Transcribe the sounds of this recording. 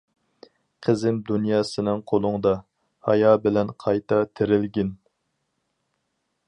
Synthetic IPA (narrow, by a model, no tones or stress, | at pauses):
qʰəzɪmd̪unjɑːsɨnɨŋqʰolˠʊŋd̪ɑ | hɑ̰jɑːbɪlɛnqʰɑjt̪ʰɑt̪ʰɪɾɪlɡʲɪn